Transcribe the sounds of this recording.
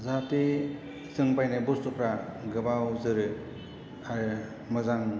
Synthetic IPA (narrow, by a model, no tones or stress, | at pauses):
zate | zɯŋbajnabɔstɔpʰɾaɡɯbawzɯɾɯ | aɾɯ | mazaŋ